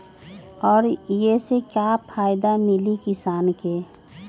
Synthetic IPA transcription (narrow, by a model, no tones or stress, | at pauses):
ɔːɾjesekjapʰaːjd̪amɪlikɪsaːnke